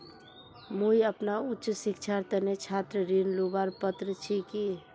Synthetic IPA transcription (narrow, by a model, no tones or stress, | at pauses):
mujəpnautːʃsikt͡ʃʰaɾt̪ənet͡ʃʰat̪ɾəɾinlubaɾpət̪ɾət͡ʃʰiki